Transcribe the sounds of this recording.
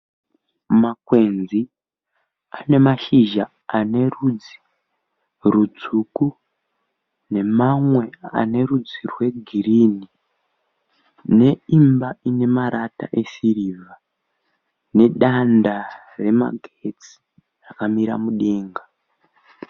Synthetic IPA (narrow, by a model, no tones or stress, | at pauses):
makwe̞nd͡zi | ane̞maʃiʒa | ane̞rud͡zi̥ | rud͡zuku | ne̞mamwe̞a̰ne̞rud͡zirwe̞ɡʱirini | ne̞imbaine̞maɾata̰ʔe̞siriːva | ne̞ɗanda | re̞ma̰ɡʱet͡si̥ | rakamiɾa̰muɗeːŋɡa